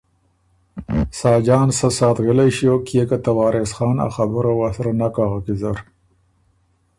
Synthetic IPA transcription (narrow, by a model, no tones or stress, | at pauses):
sɑːd͡ʒɑːnsasɑːt̪ɣəlajʃiokjekat̪awɑːɾesxɑːna̰xabəɾawasaɾanakaːɣakizaɾ